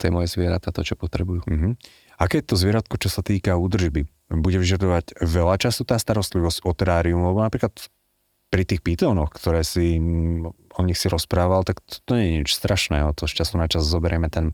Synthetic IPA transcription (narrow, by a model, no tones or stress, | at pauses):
t̪ɔjɛmɔjɛzʋɪɛɾat̪at̪ɔt͡ʃɔpɔt̪ɾɛbujuːm̩ɦm̩ | akɛːɛt̪ɔzʋɪɛɾat̪kɔt͡ʃɔsat̪iːkauːd̪r̩ʒbi | buɟɛʋiʒad̪ɔʋaɟʋɛlat͡ʃasut̪aːst̪aɾɔst̪liʋɔscɔt̪ɛɾaːɾiumalɛbɔnapɾiːklat̪ | pɾit̪iːxpit̪ɔːnɔxkt̪ɔɾɛːsi | ɔɲixsiɾɔspɾaːʋalt̪akt̪ɔ̥t̪ɔɲɛɲɛɲit͡ʃst̪ɾaʃnɛːɦɔt̪ɔʃcasunat͡ʃazzɔbɛɾɪɛmɛt̪ɛn